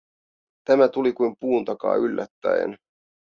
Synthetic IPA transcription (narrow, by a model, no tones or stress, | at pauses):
t̪æmæt̪ulikujmpuːnt̪ɑkɑ̰ːylːʔæ̰t̪ːæ̰ḛn